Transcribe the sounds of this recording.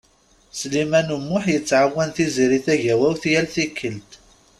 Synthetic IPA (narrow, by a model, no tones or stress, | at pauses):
slimænumːʊħjət͡sːʕawːænθiziɾiθæʝæwæwθjælθikʰːəlt̪